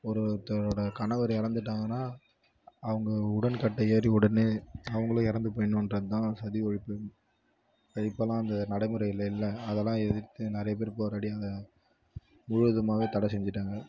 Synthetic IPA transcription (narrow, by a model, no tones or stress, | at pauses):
ɔɾɯt̪ːɾoːɽɐkɐɳɐʋɐɾɪɾɐnd̪ɯʈːaːŋɡɐnːaː | ɐʋɐŋɡɐʊɽɐnkɐʈːɐjeːɾiʊɽɐneːɐʋɐŋɡɐɭʊ̃ɪɾɐnd̪ɯp̬oːjnɯ̃ɛndɾɐðɯt̪ãːsɐðiɔɻɪpːɯ | kɐɽɪpːɐlãːɐnd̪ɐnɐɽɐɪmɯɾɐɪɪlːɐɪlːɐːðɛlːãːɛðɪt̪ːɯnɪɾɐjɐp̬eːɾpoɾɐɽiɐðɐ | mʊɻɯʋɐðɯmaːʋeːt̪ɐɽɐsɛɲd͡ʒɯʈːaːŋɡɐ